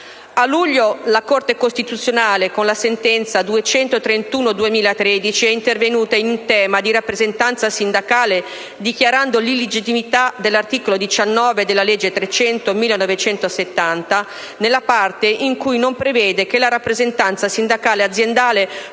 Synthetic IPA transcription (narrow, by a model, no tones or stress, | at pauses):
alːuʎːolakort̪ekost̪it̪ut̪sːjonaːlekonlasent̪ɛnt̪sad̪uet͡ʃɛnt̪ot̪ɾent̪uːnod̪uemiːlat̪ɾed̪it͡ʃiɛint̪ervenuːt̪ainunt̪ɛːmad̪iɾapːɾezent̪ant̪sasind̪akaːle | d̪ikjaɾand̪olilːed͡ʒit̪ːimit̪ad̪elːart̪iːkolod̪it͡ʃanːɔːved̪elːalɛd͡ʒːet̪ɾet͡ʃɛnt̪omilːenɔvet͡ʃɛnt̪oset̪ːant̪a | nelːapart̪eʔiŋkujnompɾevɛːd̪ekelaɾapːɾezent̪ant̪sasind̪akaːlead̪zjend̪aːle